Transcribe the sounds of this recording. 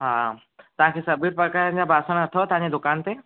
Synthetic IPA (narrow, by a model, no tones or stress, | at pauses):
ɦaː | t̪ɐʋ̤ãkʰeːsɐbʱiːɾpɐkaːɾə̃nd͡ʑabʱaːsəɽ̃ɐt̪ʰaɦot̪ɐʋɦãɲd͡ʑed̪ʊkaːnt̪e